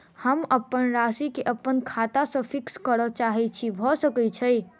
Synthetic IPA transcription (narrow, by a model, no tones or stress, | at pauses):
həməpːənɾaːsikeʔəpːənkʰaːt̪asə̃fʰɪkskəɾət͡ʃaːɦɛt͡ʃʰibʱɔsəkət͡ʃʰəi